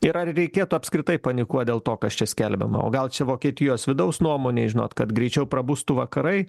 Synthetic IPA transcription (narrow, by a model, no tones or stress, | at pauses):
ɪɾɐrrʲɛɪkʲeːt̪ʊɐpʲskɾʲɪt̪ɐɪpɐnʲɪkuɔt̪̚d̪ʲeːlˠt̪oːkɐst͡ʃʲɛsʲkʲɛlʲbʲɛ̰mɐ̰o̰ːɡɐlˠt͡ʃʲɛʋoːkʲiɛt̪ʲɪjoːsʋʲɪd̪ɐʊsnuɔmoːnʲeːɪʒʲɪno̰ːt̪kɐt̪ɡɾʲɛɪt͡ʃʲɛʊpɾɐbust̪uʋɐkɐɾɐɪ